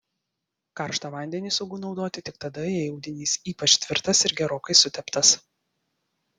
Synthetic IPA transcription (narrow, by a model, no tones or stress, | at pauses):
kɐɾʃt̪ɐːʋɐˑnʲd̪ʲɛnʲiːsɔʊɡʊnɒʊd̪oːt̪ʲɪt̪ʲɪk̚t̪ɐd̪ɐɛjɛʊd̪ʲɪnʲiːsiːpɐt͡ʃʲt̪ʲʋʲɪɾt̪ɐsɪɾɡʲɛɾoːkɐɪsʊt̪ʲɛpt̪ɐs